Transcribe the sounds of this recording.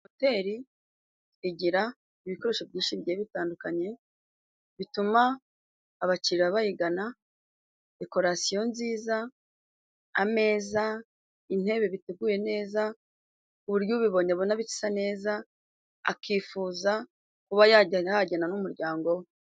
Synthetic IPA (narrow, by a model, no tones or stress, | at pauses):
ote̞ɾi | eɟiɾa | iβiko̞ɾe̞ʃo̞bɟiːʃiɟeβitaːndukaɲe̞ | βitumaː | βat͡ʃiɾiɾaβajiɡana | de̞ko̞ɾasijo̞nziːza | ame̞ːza | in̥e̞βe̞βiteɡuːje̞ne̞ːza | uβuɾɟuβiβo̞ɲaβonaβici̥sane̞ːza | a̰kʰiːfuːza | kuβajajaɟananumuɾɟaːŋɡo̞we